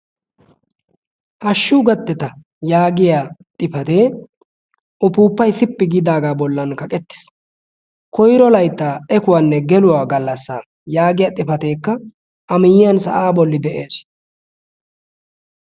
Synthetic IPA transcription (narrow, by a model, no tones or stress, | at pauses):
hɐʃːuːɡɐt̪ːɛt̪ɐ | jaːɡɪjaːt̪ʼɪfɐt̪e̞ː | ʔʊpuːpːɐjt̪ɪpːɪɡɪd̪aːɡaːbɔlːɐnkɐkʼɛt̪ːɪ̥s | kɔjɾɔlɐjt̪ːaːɛkʊwanːɛɡɛlʊwaːɡɐlːɐsːa̰ː | jaːɡɪjaːt̪ʼɪfɐt̪e̞ːkːɐ | ʔɐmɪjɪjɐnsɐ̰ʔaːbɔlːɪd̪ɛʔeːs